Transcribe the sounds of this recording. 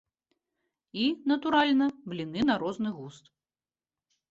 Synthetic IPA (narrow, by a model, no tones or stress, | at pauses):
inɐt̪uɾalʲnɐblʲinɨnaɾɔznɨɣust̪